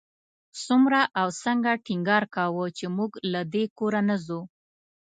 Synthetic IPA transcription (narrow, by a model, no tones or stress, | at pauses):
sumɾaʔawsəŋɡaʈɪŋɡɑɾkawət͡ʃemuɡlad̪ekoɾanazu